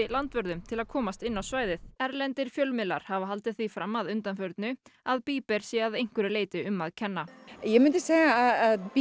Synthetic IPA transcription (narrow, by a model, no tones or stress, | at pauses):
ɪlant̪vœɾðʏmt̪ʰɪlaðkʰɔːmast̪ɪnːawsvaːjðɪθɛɾlɛnt̪ɪɾ̥fjœlmɪlːa̰ɾ̥havaɦalt̪ɪθifɾamːaðʏnt̪anfœɾt̪nʏaðpiːpɛɾ̥sjɛaðejŋ̥kʏɾɪleːjt̪ɪʏmːaðcʰɛnːajɛmɪnt̪ɪseːɣaaðaðp